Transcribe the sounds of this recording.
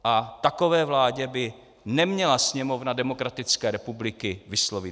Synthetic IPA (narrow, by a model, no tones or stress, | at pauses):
ʔat̪ako̞vɛːvlaːɟɛbɪ | nɛmɲɛlasɲɛmo̞vnadɛmo̞kɾat̪ɪt͡skɛːɾɛpublɪkɪvɪslovɪ